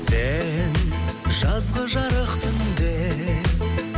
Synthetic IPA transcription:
senʒɑzʁəʒɑɾəqt̪ʰɪnd̪e

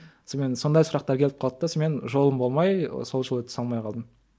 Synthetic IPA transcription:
some̞nso̞nd̪ɑjsʊɾɑq̚t̪ɑɾkʲʰe̞lɪp̚qʰɑlˠəp̚t̪ɑsome̞nʒo̞lˠəmbo̞lˠmɑjso̞lˠʒəlˠt̪ʰsɑlˠmɑjqʰɑlˠd̪əm

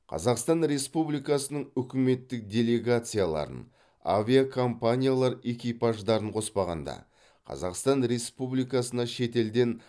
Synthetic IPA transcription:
qʰɑ̰zɑqst̪ɑnɾe̞spublijkɑsənəɴʏkʲɪme̞t̪ːɪk̚d̪ʲe̞lʲe̞ɡat̪sɨjalˠɑ̰ɾə̰n | avʲiakʰompanʲijalˠɑɾe̞kʲijpaʒd̪ɑɾəɴqʰo̞spɑʁɑ̰nd̪ɑ̰ | qʰɑ̰zɑqst̪ɑnɾe̞spublijkɑsənɑʃe̞t̪e̞ld̪e̞n

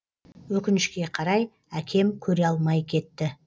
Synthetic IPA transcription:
wɵkʲɪnɪʃkʲe̞qʰɑɾɑj | ækʲʰe̞mkʲʰɵɾe̞ɑlˠmɑjkʲʰe̞t̪ːɪ

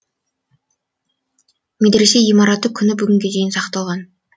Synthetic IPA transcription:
med̪ɾese̞ijmɑɾɑt̪ːəkʲʰʏnɪbʏɡʲɪŋɡʲe̞d̪e̞jɪnsɑqt̪ɑlˠʁɑn

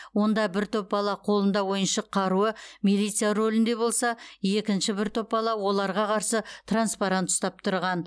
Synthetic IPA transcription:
wo̞nd̪ɑbɪɾt̪ʰøp̚bɑlˠɑqʰo̞lˠənd̪ɑwo̞jənʃəqʰɑɾuəmilijt̪sɨjaɾo̞lʲɪnd̪e̞bo̞lˠsɑje̞kʲɪnʃɪbɪɾt̪ʰø̞p̚bɑlˠɑwo̞lˠɑɾʁɑqʰɑɾsət̪ʰranspaɾant̪ʰʊ̥st̪ɑp̚t̪ʰʊɾʁɑn

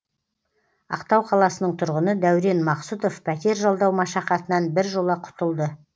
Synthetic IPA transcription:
ɑ̰qt̪ɑwqʰɑlˠɑsənəɴt̪ʰʊɾʁənəd̪æwɾe̞nmɑqsut̪o̞fpʰæt̪ʲe̞ɾʒɑlˠd̪ɑwmɑʃɑqɑt̪ənɑnbɪɾʒo̞lˠɑqʰʊ̥t̪əlˠd̪ə

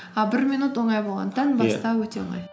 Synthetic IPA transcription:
ɑbɪɾminut̪woŋɑjbolˠʁɑ̰nt̪anbɑst̪ɑwɵt̪eo̰ŋɑ̰j

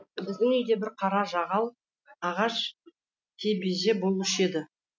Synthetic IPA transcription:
bɪzd̪ɪŋʏjd̪e̞bɪɾqʰɑɾɑʒɑʁɑwˠ | ɑʁɑʃ | t̪ʲʰebezebolˠɪʃe̞d̪ɪ

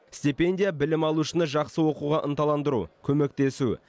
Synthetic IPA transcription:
sʲt̪ʲipe̞nʲd̪ʲijabɪlɪmɑlˠuʃənəʒɑqsəwo̞quʁɑʔənt̪ɑlˠɑnd̪əɾṵkʲʰɵme̞k̚t̪e̞su

